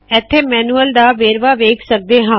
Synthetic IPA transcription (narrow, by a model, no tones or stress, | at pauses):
ɛːt̪ʰːeːmɛːnuːəld̪aːʋeːɾʋaːʋeːkʰsək̚d̪eːɦãː